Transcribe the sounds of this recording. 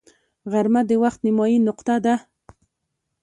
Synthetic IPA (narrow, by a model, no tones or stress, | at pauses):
ɣaɾmad̪əwaχt̪nɪmɑjinʊqt̪ad̪a